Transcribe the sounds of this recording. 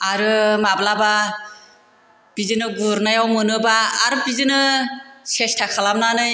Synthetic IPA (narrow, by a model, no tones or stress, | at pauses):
aɾɯmablaba | b̥izɯnɯɡuɾnajawmɯnɯbaːɾɯbizɯnɯsestʰakʰalamnanɯj